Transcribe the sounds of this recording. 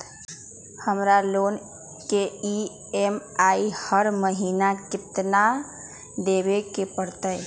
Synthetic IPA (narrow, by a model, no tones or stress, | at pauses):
həmɾaloːn | kei | emaihəɾməɦiːnakɪt̪na | d̪ebekepəɾt̪əj